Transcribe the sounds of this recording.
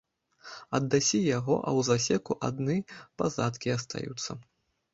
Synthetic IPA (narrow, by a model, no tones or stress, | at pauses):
ɐd̪ːasʲijaɣɔ̰ʔɐ̰wzasʲɛkuʔa̰d̪nɨpazat̪kʲiɐst̪a̰jṵt̪sːɐ